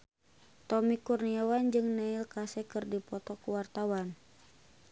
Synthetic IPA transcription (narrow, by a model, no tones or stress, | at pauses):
t̪ɔmikurniawand͡ʒɨŋnailkasɛkɨrdipɔt̪ɔkuwart̪awan